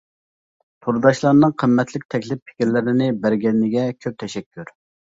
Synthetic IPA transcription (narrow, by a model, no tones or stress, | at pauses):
t̪ʰuɾd̪ɑʃlˠɑɾnɨŋqʰəmːɛt̪ʰlɪk̚ʲt̪ʰɛkʲlɪpʰːɪ̥kʲiɾlɪɾɪnɪbæɾɡʲɛnːɪɡʲɛkʲʰøp̚t̪ʰɛʃɛkʲːyɾ